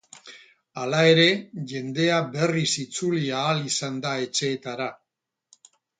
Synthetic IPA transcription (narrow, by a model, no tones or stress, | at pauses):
alae̞ɾe̞ʝe̞nd̪e̞abe̞risit͡suliaːlisand̪ae̞t͡ʃe̞ːt̪aɾa